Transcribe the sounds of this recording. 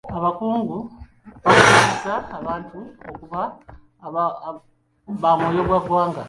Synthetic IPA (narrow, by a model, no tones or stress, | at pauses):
aβakuːŋɡu | βakaanisaːβaːntuokuβa | βamwoːjo̞βwaɡwaːŋɡa